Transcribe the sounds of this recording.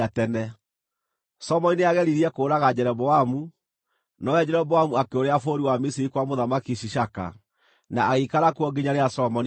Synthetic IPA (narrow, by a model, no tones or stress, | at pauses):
atɛnɛ | sɔmɔnineaɣɛɾiɾiɛkoːɾaɣad͡ʑɛɾɛbɔamu | nɔwɛd͡ʑɛɾɛbɔamuakeoɾeafoɾiwamisiɾikwamoðamakiɕiɕaka̰ | naːɣikaɾakwɔɡeɲaɾeasɔmɔn